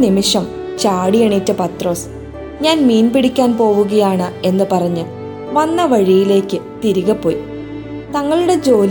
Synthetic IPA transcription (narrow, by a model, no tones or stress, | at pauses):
nimiʂɐm | t͡ɕaːɽijɐɳitːɐpɐt̪ro̞ːs | ɲaːnmiːnpiɽikʲːaːnpo̞ːʋuɣɐjaːɳɨe̞nːɨpɐrɐɲːɨ | ʋɐnːɐʋɐɻijile̞ːkʲːɨt̪iɾuɣɐpːo̞ːji | t̪ɐŋːɐɭuɽe̞d͡ʑo̞ːl